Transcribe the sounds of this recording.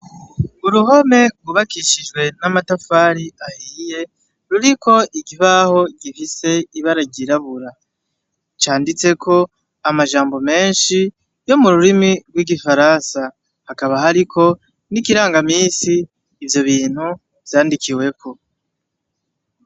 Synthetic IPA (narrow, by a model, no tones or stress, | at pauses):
uɾuɦo̞me̞ɡuβakiʃid͡ʒɡwe̞namatafaːɾiahiːje̞ | ɾuɾiko̞ʔiɡiβaho̞ɟifise̞iβaɾaɟiɾaβuɾa | t͡ʃaːndit͡se̞kʰo̞ | amaʒaːmbo̞me̞ːnʃi | jo̞muɾuɾimiɡwiɡifaɾansa | hakaβahaɾikʰo̞ | nikiɾaːŋɡamiːsiː | vjo̞βiːn̥hu | vjaːndikʰiwe̞kʰo